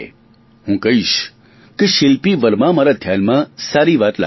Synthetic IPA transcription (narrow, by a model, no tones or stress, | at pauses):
hũkəɦiʃ | keʃɪlpiʋəɾmãmaɾad̪ʱjanmãsaɾiʋat̪la̰